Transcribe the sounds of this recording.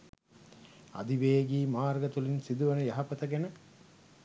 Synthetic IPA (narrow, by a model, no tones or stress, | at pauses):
ɐ̰d̪iʋeːɡiːmaːɾɡɐt̪ulinsid̪uʋɐnɐjɐɦɐpɐt̪ɐɡenə